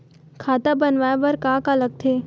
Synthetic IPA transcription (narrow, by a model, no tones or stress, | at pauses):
kʰaːt̪abɐnʋaːeʋɐɾkaːkaləɡ̚t̪ʰeː